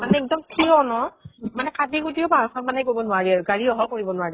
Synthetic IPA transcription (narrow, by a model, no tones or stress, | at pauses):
manɛɛk̚dɔmkʰiɔnɔmanɛkatiɡutiɔbaɹɔxʰɔtmanɛkojbɔnʊaɹiaɹɡaɹiɔɦɔkoɹibɔnʊaɹi